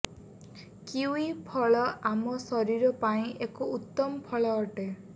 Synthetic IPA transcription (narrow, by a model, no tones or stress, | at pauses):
kiwipʰɔɭɔʔamɔsɔɾiɾɔpaĩʔekuut̪ːɔmɔpʰɔɭɔːʈe